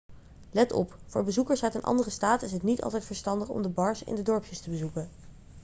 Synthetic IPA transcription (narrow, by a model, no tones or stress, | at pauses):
lɛtɔ̰pfʊːɹbəzukəɹsœɥtənʔɑ̰ndərəstaːtɪs̬ɦətnitɑ̰lˠtɛjtfəɹstɑndəχɔ̰mdəbɑɹsɪ̰ndədɔɹpʰjəstəbəzukən